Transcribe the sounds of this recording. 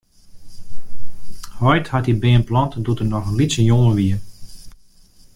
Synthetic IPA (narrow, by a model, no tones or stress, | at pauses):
hɔjthatibɪːənplɑntdutərnɔxənlisənjoŋəʋiə